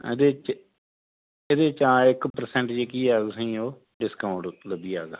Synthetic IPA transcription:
d̪eːt͡ʃ | ed̪eːɪt͡ʃːãːɪkpəɾsɛ̃ːɳʈd͡ʒeːkiːaːɡsĩːoː | ɖɪskaːʊɳʈləbiːaːɡa̰ː

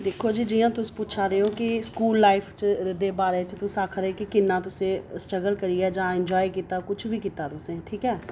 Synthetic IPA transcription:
d̪ekʰoːd͡ʒiːd͡ʒijãːt̪ʊsĩ̥ːput͡ʃʰaːɾeːoːkɪskuːlːaːɪpʰt͡ʃd̪eːbaːɾeːt͡ʃt̪ʊsaːkʰɾeːkɪkɪnːãːt̪̬ʊsẽːsʈəɡəlkəɾiːɛːd͡ʒãːɪnd͡ʒɔːikiːt̪aːkʊt͡ʃʰʋiːkiːt̪aːt̪ʊsẽːʈʰiːkɛː

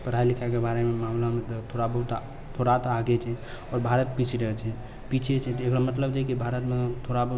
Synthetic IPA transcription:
pəɾ̤ailikʰaekebaɾememamlamet̪ɔt̪ʰoɾabəɦut̪ | t̪ʰoɾat̪aɡɛt͡ʃʰɛ | ɔɾbʱaɾət̪̚pit͡ʃʰɾəɦɛt͡ʃʰɛ | pit͡ʃʰet͡ʃʰɛt̪ekɾamət̪ləbd͡ʒekibʱaɾət̪met̪ʰoɾabəɦu

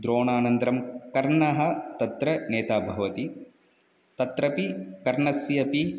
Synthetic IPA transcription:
d̪ɾoːɳaːnɐnt̪ɐɾɐmkɐɾɳɐɦɐ̆t̪ɐt̪ɾɐneːt̪aːbʱɐʋɐt̪i | t̪ɐt̪ɾɐpikɐɾɳɐsjɐpi

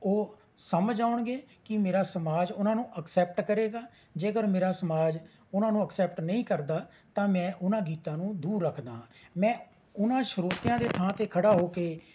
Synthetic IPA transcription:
oː | səməd͡ʒaːʊɳɡeːkɪmeːɾaːsəmaːd͡ʒʊnãːnũːʔəksɛːp̚ʈkəɾeːɡaː | d͡ʒeːɡəɾmeːɾaːsəmaːd͡ʒ | ʊnãːnũːəksɛːpʈnəĩːkəɾd̪aː | t̪ãːmɛ̃ːʔʊnãːɡiːt̪ãːnũːd̪uːɾːəkʰd̪aːɦãːmɛ̃ː | ʊnãːʃəɾoːt̪ɪjãːd̪eːt̪ʰãːt̪eːkʰəɽaːɦoːkeː

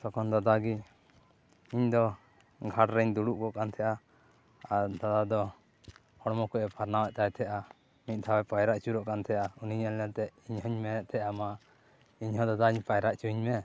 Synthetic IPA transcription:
sɔkɔnd̪ad̪aɡi | iɲd̪ɔ | ɡʱaʈɾɛɲd̪uɽuʔkɔʔkant̪ʰɛjʔa | aɾd̪ad̪ad̪ɔ | hɔɽmɔkɔʔɛpʰaɾnawaʔt̪ajt̪ʰɛʔa | mit̪̚ˀd̪ʰʱawɛpajɾaʔt͡ʃuɾɔʔkant̪ʰɛjʔauniɲɛlɛnt̪ɛʔiɲɦɔɲmɛɛʔt̪ʰɛʔama | iɲhɔ̃d̪ad̪aɲpajɾaʔt͡ʃuɲmɛ

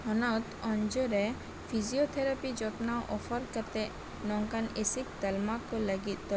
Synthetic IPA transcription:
hɔnɔt̪ɔ̃ɲd͡ʒoɾɛ | pʰiziot̪ʰɛɾapid͡ʒɔt̪nawʔɔfʰəɾkəɾt̪ɛ | nɔŋkanesik̚d̪əlmakɔləɡit̪̚d̪ɔ

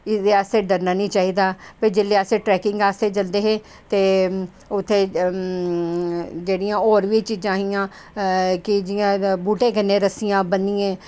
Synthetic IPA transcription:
ɪd̪eːast̪eːɖəɾnaːnĩːt͡ʃaːɦiːd̪aːpeːd͡ʒeːleːəseːʈɾɛːkɪ̃ŋɡaːst̪eːt͡ʃəld̪eːɦeː | t̪eː | ʊt̪ʰːeː | d͡ʒeːɽijãːoːɾʋiːt͡ʃid͡ʒãːɦijãː | kɪd͡ʒɪjãːbuːʈẽːkənːẽːɾəsɪjãːbəniːɛ̃ː

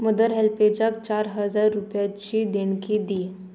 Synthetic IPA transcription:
məd̪əɾɦelped͡ʑak̚t͡ɕaɾɦəd͡zaɾːupjat͡ɕiːd̪eɳkiːd̪i

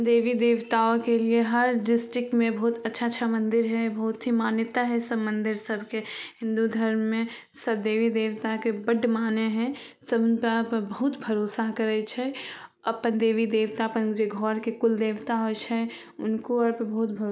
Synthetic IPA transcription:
d̪eːʋid̪eːʋt̪aokelieɦəɾɖɪsʈɪkmẽbəɦut̪ətːʃʰatːʃʰamə̃nd̪ɪɾɦɛbəɦʊt̪ɦimaːnjət̪aɦɛsəbmə̃nd̪ɪɾsəbʱkehɪ̃nd̪ud̪ʱəɾmmẽ | səb̚d̪eːʋid̪eːwt̪akebəɖmaːneɦɛ̃səbnpəpbəɦut̪bʱəɾoːsaɦkəɾɛt͡ʃʰɛəpənd̪eːʋid̪eːʋt̪apənd͡ʒeɡʱɔːɾkekʊld̪eːʋt̪aɦot͡ʃʰɛ | ʊnkoəɾpbəɦut̪bʱəɾo

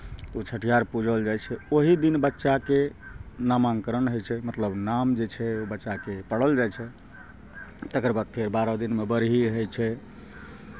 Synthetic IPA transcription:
t̪ot͡ʃʰəʈʰijaɾpud͡ʒʱəld͡ʒajt͡ʃʰɛoɦid̪inbətːʃakenamaŋkəɾənɦojt͡ʃʰɛmət̪ləbnamd͡ʒet͡ʃʰɛobətːʃakepəɽəld͡ʒajt͡ʃʰɛ | t̪ekɾəbad̪̚pʰeɾbaɾɔd̪inmebəɾɦiɦəjt͡ʃʰɛ

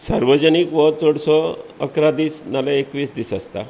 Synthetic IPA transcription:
saɾʋəd͡ʑənikʋɔt͡sɔɽsɔə̰kɾad̪iːsnaleekʋiːsd̪isast̪a̰

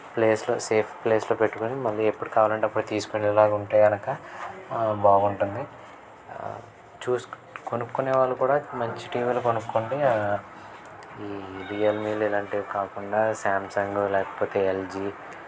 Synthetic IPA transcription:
ple̞ːslo̰ːseːpʰple̞ːsloːpeʈːukonimɐlːiepːuɽukaːʋaːlɐɳʈeɐpːuɽut̪iːsu̥konilaːɡɐuɳʈaːjɡɐnɐkɐ | baːɡuɳʈund̪i | t͡ʃuːs | konukːuneːʋaːɭːukuːɽaːmɐɲt͡ʃiʈiːʋiːlukonukːoɳɖi | iːɾiːjɐlmiːlilaɳʈikaːkuɳɖaːsaːmsaŋɡolɛːkɐ̥poːt̪e̞ːeld͡ʒiː

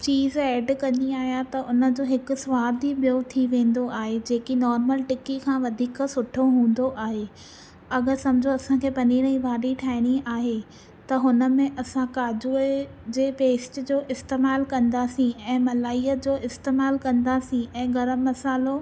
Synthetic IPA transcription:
t͡ɕiːzɛːɖkɐ̃ɲiaːɦijãt̪ɐʔʊnə̆d͡ʑoːɦɪkʊ̆sʋaːd̪iɓijot̪ʰiʋẽːn̆d̪oʔaːɦed͡ʑeːkinɔːɾməlʈɪkikʰãːʋɐd̪ʱiːksʊʈʰoɦũːn̆d̪oʔaːɦe | ɐɡəɾsɐmɪd͡ʑʱoɐsãkʰeːpɐniːɾ̃ə̃ĩʋaːɗiʈʰaːɪɽ̃iaːɦe | t̪ɐɦʊnə̆mẽʔɐsãkaːd͡ʑuːed͡ʑeːpeːsʈd͡ʑoːʔɪst̪eːmaːlkɐ̃nd̪aːsĩɛ̃ːmɐlaːiːət̪̚d͡ʑoːʔɪst̪eːmaːlkɐ̃nd̪asĩɛ̃ːɡɐɾəmːɐsaːlo

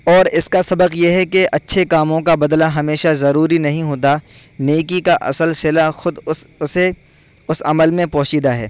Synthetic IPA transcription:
ɔːɾɪskasɐbəqjeɦɛkeʔɐtːʃʰekaːmõkabɐd̪laɦɐmeːʃazɐɾuːɾinɐɦĩɦoːt̪aneːkikaʔɐ̰səlsɪlaxʊd̪ʊse | ʊsɐ̰məlmẽpɔːt͡ʃiːd̪aɦɛ̰ː

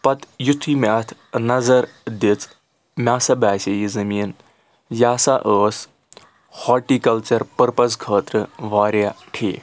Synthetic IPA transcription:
pɐt̪jut̪ʰimʲaːt̪ʰnɐzɐɾd̪it͡s | mʲaːsɐbaːsɐjizɐmiːn | jaːsaʔəːs | hɔːʈiːkɐlt͡ʃɐɾpɐɾpɐsɡʰʱəːt̪ɾɨʋaːɾjaʈʰḛː

